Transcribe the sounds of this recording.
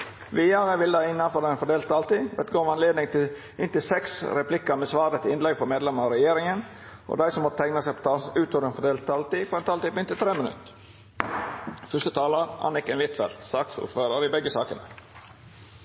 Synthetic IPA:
ʋiːjɑɾəʋɪld̪æɪnːɑnfɔɾɛnfɔɖ̪eːlt̪ːɑːlt̪iːʋɛ̰t̪ɡoːmɑnleːd̪nɪŋt̪ʰɪl | ɪnt̪ɪlsɛksɾɛpʰlɪkəmeːsʋɑːɾət̪ʰɪɪnlɛɡfɔɾmeːd̪lɛməɑɾɛjeːɾɪŋənʔo̰d̪æɪsɔmːɔt̪ət̪ʰɛŋnəsæɪpʰɔ̥t̪ʰɑːlsʉːt̪od̪ənfɔɖ̪eːlt̪ɑlt̪iːfɔɾɛnt̪ʰɑːlt̪iːpɪnt̪ɪlt̪ʰɾeːmənʉ̰t̪ | fʏst̪ət̪ʰɑːləɾɑ̰nɪkɛnʋɪt̪fɛ̰lt̪sɑksṵːføːɾəɾɪbɛɡːəsɑ̰ːkə̰nə̰

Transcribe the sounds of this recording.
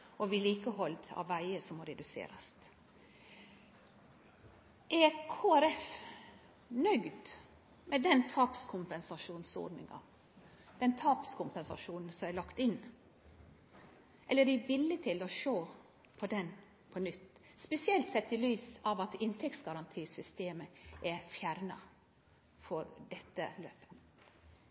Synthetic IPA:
ɔʋɪliːkəɦɔld̪ɑ̰ʋːæɪəsɔmːɔɾɛd̪ʉsḛːɾɑst̪ | ʔækʰoːæɾɛf | nœɡd̪ | mɛd̪ɛnt̪ʰɑːpskʰʊmpɛnsɑʂuːnso̰ːɖnɪ̰ŋɑ̰ | d̪̥ɛnt̪ʰɑːpskʊmpɛnsɑ̰ʂuːnn̩sɔmæɪlɑkt̪ɪn | ʔɛlːəɾɪʋɪlːət̪ʰɪlɔʃoː | pʰɔd̪ɛn | pʰɔnʏt̪ː | spɛsɪɛlt̪sɛt̪ːɪlyːsɑʋɑt̪ɪnt̪ʰɛktsɡɑɾɑnt̪ʰiːsʏst̪eːməʔɛfjæɾnɑ̰ | fɔɾdɛt̪ːə̰lø̰ːpə̥

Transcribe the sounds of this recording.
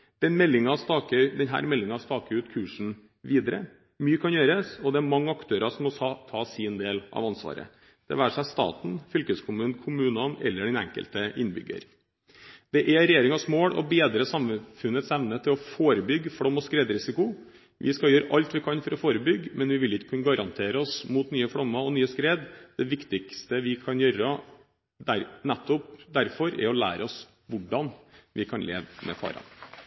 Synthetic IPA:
d̪̥ɛnmɛlːɪŋɑst̪ɑːkəd̪ɛnɦæ̰ːɾmɛlːɪŋɑst̪ɑːkəʉːt̪kʰʉːʂɳ̩ | ʋiːd̪əɾə̰ | myːəkʰɑnjøːɾəsɔd̪ɛæɾmɑŋːəɑkt̪ʰøːɾɑsɔmːɔt̪ʰɑːsiːnd̪eːlʔɑ̰ʋɑnsʋɑ̰ːɾə̰ | d̪̥ɛ̰ʋæːʂæɪst̪ɑ̰ːt̪n̩fʏlkəskʰʊmʉːnkʰʊmʉːnɑnɛ̰lːəɖɛnɛ̰ŋkə̰lt̪əʔɪnːbʏ̰ɡə̰ɾ | d̪̥ɛʔɛɾɛjeːɾɪŋɑsmoːɽɔ̰beːd̪ɾəsɑmfʉnət̪sɛʋnət̪ʰɪlɔfoːɾəbʏɡːfɽɔmːɔskɾeːd̪ɾɪsɪkʊ | ʋʔɪ̰skɑjøːɾəʔɑlt̪ʋɪkʰɑnfɔɾɔfoːɾəbʏɡːmɛnʋɪʋɪlɪkːə̥kʰʉnəɡɑɾɑnt̪ʰeːɾəɔsmuːt̪nyːəfɽɔmːɑɔnyːəskɾeːd̪d̪̥ɛʋɪkt̪ɪkst̪əʋɪkʰɑnjøːɾə | d̪æɾnɛt̪ːɔpd̪æɾfɔɾɛ̰ɾɔlæ̰ːɾəɔs | ʋʊɖːɑnʋʔɪkʰɑnlḛːʋmʔɛ̰fɑ̰ːɾɑ̰n

